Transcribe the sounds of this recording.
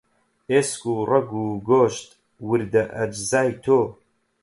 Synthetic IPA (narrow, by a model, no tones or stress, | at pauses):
eːskuːrʔɐɡuːɡoːʃt̪ | wɨɾd̪ɐʔɐd͡ʒzaːjt̪ʰoː